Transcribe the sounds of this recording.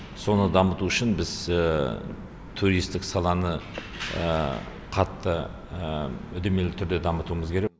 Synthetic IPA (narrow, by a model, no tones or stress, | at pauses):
so̞nəd̪ɑmət̪uʏʃɪnbɪz̥ə | t̪ʰuɾijst̪ɪksɑlˠɑnə | ə | qʰɑt̪ːə | ʏd̪eme̞lɪt̪ʰʏɾd̪e̞d̪ɑmət̪uəməzkʲʰe̞ɾe